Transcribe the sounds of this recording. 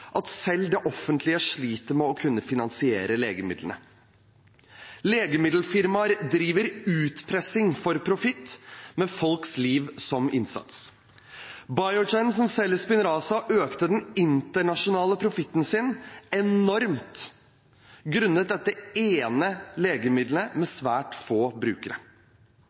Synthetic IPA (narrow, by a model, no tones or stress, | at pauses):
ʔɑt̪sɛld̪ɛʔɔfənt̪ʰlɪəʂɭiːt̪əɾmɛɔkʰʉnːəfɪnɑnsɪḛːɾəleːɡəmɪ̰d̪lənə̰ | leːɡəmɪd̪l̩fɪɾmɑɾd̪ɾiːʋəɾʉːt̪pʰɾɛsɪŋfɔɾpʰɾʊfɪt̪ːmɛfɔlksliːʋsɔmɪ̰nsɑ̰t̪s | bɑɪɔd͡ʒɛɪns̬ɔmsɛləspɪnɾɑːsɑʔøːkt̪əd̪ɛnɪnt̪əɳɑʂʊnɑːləpʰɾʊfɪt̪ːn̩sɪnɛnɔɾmt̪ | ɡɾʉnːət̪̚d̪ɛəeːnəleːɡəmɪd̪ləmɛsʋæːʈfoːbɾʉːkəɾə